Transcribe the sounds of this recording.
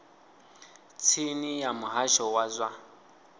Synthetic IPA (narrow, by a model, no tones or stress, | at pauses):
t͡sʰinijamuɦaʃɔwazʷa